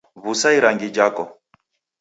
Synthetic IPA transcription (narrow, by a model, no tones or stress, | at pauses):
βusaiɾaŋɡid͡ʒakɔ